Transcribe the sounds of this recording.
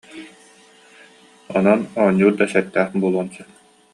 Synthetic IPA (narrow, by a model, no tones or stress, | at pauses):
ɔnanɔɲːuːɾd̪asɛt̪ːæːχbuːlˠuɔnsɯ